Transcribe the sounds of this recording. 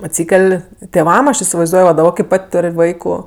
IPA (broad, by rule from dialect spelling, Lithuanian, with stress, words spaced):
ɐtʲˈsʲiːkʲɛlʲ tʲeːˈʋɐm ˈɐʃ ɪsʲɪʋɐɪzˈduɔj ʋɐ dɐˈbɐ kɐɪ ˈpɐtʲ ˈtoːrʲ ˈʋɐɪkʊ